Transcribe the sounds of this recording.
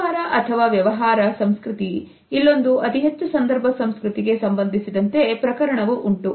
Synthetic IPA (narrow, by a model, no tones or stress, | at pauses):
aːɾɐʔɐt̪ʰɐʋaːʋjɐʋɐɦaːɾɐsɐmskɾut̪i | ilːo̞nd̪uɐt̪iɦet͡ʃːusɐnd̪ɐɾbʱɐsɐmskɾut̪iɡe̞sɐmbɐnd̪ʱisid̪ɐnt̪e̞pɾɐkɐɾɐɳɐʋuʔuɳʈu